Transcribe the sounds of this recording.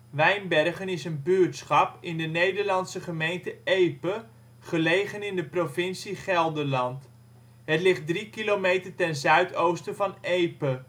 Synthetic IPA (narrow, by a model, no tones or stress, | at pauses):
ʋɛjnbɛrχənɪsənbyːɹtsχɑpɪndənejdəɹlɑntsəχəmejntəejpə | χəlejχənɪndəprovɪnsiχɛlˠdəɹlɑnt | ɦətlɪχt̚drikilomejtəɹtɛnzœɥtowstəvɑnejpə